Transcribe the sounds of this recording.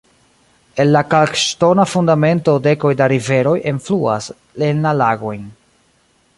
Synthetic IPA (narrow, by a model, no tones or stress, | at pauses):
e̞lːakalkʃto̞nafundame̞nto̞de̞ko̞jdaɾive̞ɾo̞jʔenflua̰s | lenːalaɡo̞jn